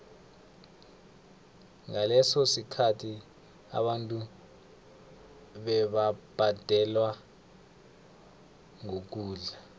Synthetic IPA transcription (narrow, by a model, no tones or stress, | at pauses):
ŋalɛsɔsikʰatʰi | a̰ɓantʼu | ɓɛɓab̥ʱad̥ʱɛlwa | ŋok̬uːɮa